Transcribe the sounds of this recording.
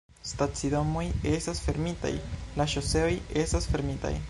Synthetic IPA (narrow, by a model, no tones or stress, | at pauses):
stat͡sido̞moje̞stasfe̞ɾmita̰jlaʃose̞oje̞stasfe̞ɾmita̰j